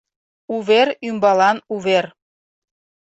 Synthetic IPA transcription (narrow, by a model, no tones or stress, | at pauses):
uβerymbɑlɑnuβer